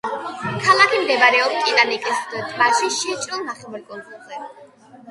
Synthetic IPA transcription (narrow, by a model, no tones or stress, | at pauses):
kʰalˠakʰimd̪ɛbaɾɛɔpstkʼit̪ʼanikʼist̪ʰvaʃiʃit͡ʃʼɾilˠnaχɛmɛɾkʼɔnzʼulˠzɛ